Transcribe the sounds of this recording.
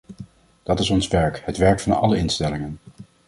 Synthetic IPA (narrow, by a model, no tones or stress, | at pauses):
d̥ɑtɪsɔnsʋɛɹkhətʋɛɹkfɑnɑ̰ləɪnstɛlɪŋən